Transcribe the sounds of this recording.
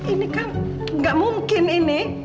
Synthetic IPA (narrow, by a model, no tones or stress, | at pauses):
ʔinikaŋ | ŋɡaʔmumkɪninɪ